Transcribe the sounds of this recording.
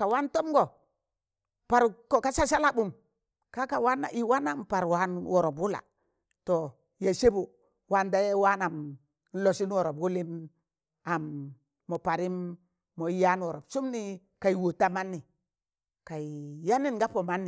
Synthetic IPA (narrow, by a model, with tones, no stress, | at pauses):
ka˨wa˦nto˦mɡo˨ | pa˨ɾko˨ka˦sa˦sa˦la˦bu˨m | ka˦ka˨wa˦na̰˨ʔi˨wa˦na˨mpa˨ɾwa˦nwɔ˨ɾɔ˨bwu˦la̰˨ | to˨ | ja˨se˦bu˨ | wa˦nda˦je˦wa˦na˨m | n˦lo˨si˦nwɔ˨ɾo˨bwu˦li˦n | a˨mː | ɔ˨pa˨ɾi˦mː | o˨˦ja˦n˦wɔ˨ɾɔ˨bsu˦mni˦ | ka˨i˨wo˨ta˦ma˦nːi˨ | ka˨i˨ja˦ni˦nɡa˦po˨ma˦nːi˨